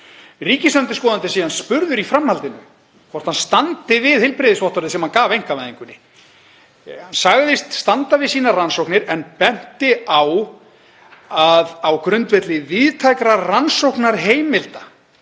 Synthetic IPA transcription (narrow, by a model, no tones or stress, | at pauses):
riːcɪst̪œnt̪ɪskɔːðant̪ɪsiːanspʏɾðʏɾifɾamhalt̪ɪnʏ̰ | kʰɔr̥t̪hanst̪ant̪ɪvɪðhɪlpɾɪðɪsvɔht̪ɔɾðɪsɛmhankaːvejŋ̥kavajðiŋkʏnːɪ | hansaɣðɪst̪st̪ant̪avɪðsiːnaransowknɪɾɛnpɛn̥t̪ɪaw | aðawkɾʏnt̪vɛt̪lɪvɪðt̪ʰajkɾaransowhknaɾ̥ɦeːjmɪlt̪a